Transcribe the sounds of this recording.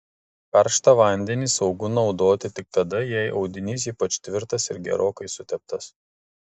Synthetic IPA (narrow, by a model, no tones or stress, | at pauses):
pɛɾˑʃt̪ɐʋɐnʲd̪ʲɛnʲiːsɒʊɡʊnɒʊd̪oːt̪ʲɪt̪ʲɪk̚t̪ɐd̪ɐjɛɪʔɒʊd̪ʲɪnʲiːs̬iːpɐt͡ʃʲt̪ʲʋʲɪɾt̪ɐsɪɾɡʲɛ̰ɾʔoːkɐɪsʊt̪ʲɛp̚t̪ɐs